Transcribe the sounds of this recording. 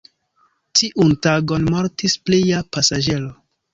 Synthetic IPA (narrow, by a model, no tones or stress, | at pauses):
tiʔuntaɡo̞nmoɾtisplijapasad͡ʒe̞lo